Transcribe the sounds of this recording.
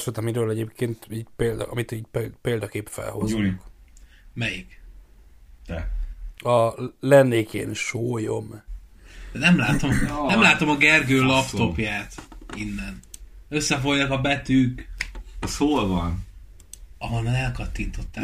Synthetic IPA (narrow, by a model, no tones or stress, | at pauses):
søt̪ɒmiɾøːlɛɟeːpkeːnt̪iːɟpeːld̪̰ɒmit̪iːɟpepeːld̪ɒkeːpfɛ̰lho̞zuŋk | mɛjik | d̪ɛɒlɛnːeːkʰḛːnʃoːjo̞m | d̪ɛnɛmlaːt̪omnɛmlaːt̪o̞mɒɡɛrɡøːlɒpt̪o̞pjaːt̪inːɛnøsːɛfo̞jːɒkɒbɛt̪yk | soːlvɒn | ɒɦonanɛlkɒt̪ːint̪o̞t̪ːa